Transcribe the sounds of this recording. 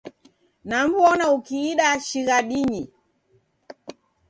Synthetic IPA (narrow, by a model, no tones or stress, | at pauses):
nam̩bwɔnaukiːɗaʃiɣaɗiɲi